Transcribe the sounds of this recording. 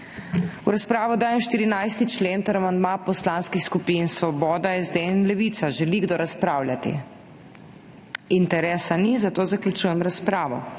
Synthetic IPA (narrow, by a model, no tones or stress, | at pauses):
uɾaspɾaːʋɔd̪aːjɛmʃt̪iɾinajst̪it͡ʃleːnt̪aɾamand̪mapɔslaːnskixskupinsʋɔbɔːd̪aɛzd̪enlɛʋit̪saʒɛliɡd̪oɾaspɾaːwlʲjat̪ḭ | int̪ɛɾɛːsanizat̪oːzaklʲut͡ʃuːjɛmɾaspɾaːʋɔ̰